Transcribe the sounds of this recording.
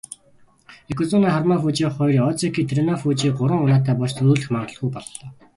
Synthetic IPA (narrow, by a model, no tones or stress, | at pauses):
ekʰɵt͡suːnaːχarmaːfuːt͡ɕiːχɔjɾʲiːɔt͡sikiːt̪ʰɾenɔfuːt͡ɕiːk̚ɢʊɾə̆ŋʊnaːt̪ʰæːpɔɮʃt͡sɵɾuːɮɘ̆xmaɴɢə̆ɮɡujpɔɮːɔː